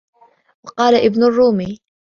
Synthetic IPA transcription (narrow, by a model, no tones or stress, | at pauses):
wɑqɑːlaʔɪbnʊrˤːuːmiː